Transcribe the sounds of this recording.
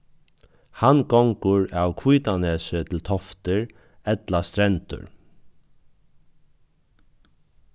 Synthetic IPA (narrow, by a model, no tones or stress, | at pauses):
hanɡɔŋkʊɹawkʰviːt̪anɛːsɪt̪ʰɪlt̪ʰɔft̪ɪɹ | ɛt̪last̪ɾɛnt̪ʊ̰ɹ